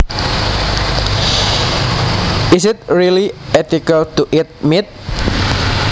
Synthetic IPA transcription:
ɪsɪt̪̚ɹiliɛt̪ikalt̪uʔɪt̪̚mit̪̚

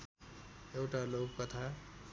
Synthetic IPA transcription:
eʊʈalokkːət̪ʰa

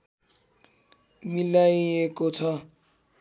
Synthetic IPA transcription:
milajekot͡sʰʌ

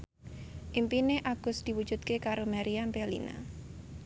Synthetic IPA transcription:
ʔimpineʔaɡ̥ʊ̤sd̪̥i̤wud̥ʒ̥ṳd̪̥̚kekaɾomaɾiampɛlḭna̰

